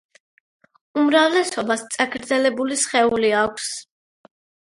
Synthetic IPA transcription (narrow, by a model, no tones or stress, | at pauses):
umɾavlɛsɔbast̪sʼakʰɾd̪zɛlɛbulisχɛuliakʷʰs